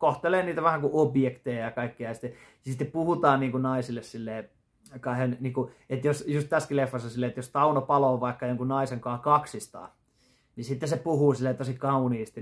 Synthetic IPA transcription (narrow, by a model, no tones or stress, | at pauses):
koht̪eleːniːt̪æʋæhækuʔobjekt̪ejɑjɑkɑikːiɑjɑsi̥t̪ːe | jɑsit̪ːeppuhut̪ɑːnniːŋkunɑisilːessilːeː | kɑihenniːŋkuet̪josjust̪t̪æskilefːɑsosilːeːet̪jost̪ɑunopɑloːʋɑˑikːɑjoŋkunnɑiseŋkɑːkɑksist̪ɑ̰ː | nisit̪ːesepuhuːsilːeːt̪osikɑuniːst̪i